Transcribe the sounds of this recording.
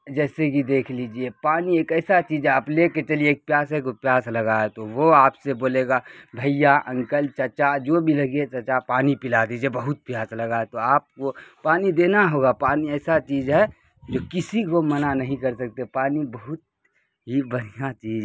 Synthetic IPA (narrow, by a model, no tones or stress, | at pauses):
d͡ʒɛːsekid̪eːkʰliːd͡ʒiepaːnieːkɛːsat͡ʃiːd͡ʒɦɛaːpleːket͡ʃɐlieːk̚pjaːs̬ɦek̬opjaːslɐɡaet̪oʋoaːpseboːleːɡabʱəijaʔɐ̃ŋkəlt͡ʃɐt͡ʃad͡ʒoːbʱilɐɡiet͡ʃɐt͡ʃapaːnipɪlaːd̪id͡ʒiebɐɦʊt̪̚pjaːslɐɡaet̪oaːp̚kopaːnid̪eːnaɦoːɡapaːniɛːsat͡ʃiːd͡ʒɦɛ | d͡ʒoːkɪsikomənanɐɦĩkɐɾsɐk̚t̪epaːnibəɦʊt̪̚ | ɦibɐɽ̤ijat͡ʃiːd͡ʒ